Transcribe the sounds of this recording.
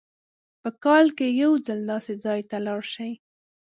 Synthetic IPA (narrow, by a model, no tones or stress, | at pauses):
pəkɑlkejawd͡zəld̪ɑsed͡zɑjt̪alɑɽʃaj